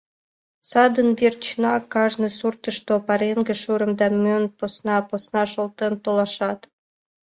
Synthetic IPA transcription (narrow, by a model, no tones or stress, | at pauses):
sɑd̪ənbert͡ɕnɑkɑʒnɤsurt̪ə̆ʃt̪opɑɾeŋɡĕʃuɾə̆md̪ɑmʲønposnɑposnɑʃolˠt̪ent̪olˠɑʃɑt̪